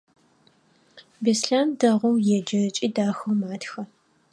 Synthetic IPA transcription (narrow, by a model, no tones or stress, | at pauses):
beːsɬaːndɐʁʷɔwjɛd͡ʒɐt͡ʃʼiːdaːxɐwmaːtxɐ